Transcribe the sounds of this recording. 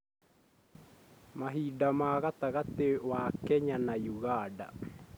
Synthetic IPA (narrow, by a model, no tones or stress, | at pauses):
maɦidamaːɣataɣatewakɛɲanajuɣaːda̰